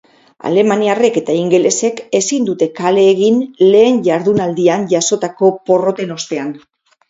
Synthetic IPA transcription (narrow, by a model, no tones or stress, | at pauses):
a̰le̞maniare̞ke̞t̪aiŋɡe̞le̞se̞ke̞sind̪ut̪e̞kale̞ːɣinle̞ːnʝaɾðunald̪ianʝaso̞t̪ako̞po̞ro̞t̪eno̞st̪e̞an